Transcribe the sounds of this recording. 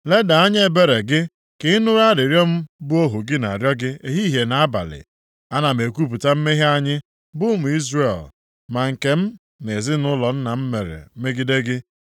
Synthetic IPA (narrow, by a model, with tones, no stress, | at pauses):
le˦da˨a˦ɲ˦e˨be˦ɾe˨ɡɪ˦ | kɪ˦ɪ˦nʊ˦ɾa˦ɾɪ˨ɾjɔ˦m̩˦bʊ˦o˦ɦʊ˨ɡɪ˦na̰˨ɾjɔ˦ɡɪ˦e˨ɦi˦ɦe˨na˨a˦ba̰˨lɪ̰˨ | a˦na˨m̩e˨kʷu˦p̬u˨ta˦m̩˦me˦ɦi˦a˦ɲɪ˦ | bʊ˦mʊ˨i˦zɾe˨l | ma˨ŋ̩˨ke˨m̩˦ | ne˨zɪ˦nʊ˦lɔ˨n̩˦na˨m̩˦me˨ɾḛ˨˦me˦ɡi˦de˦ɡɪ˦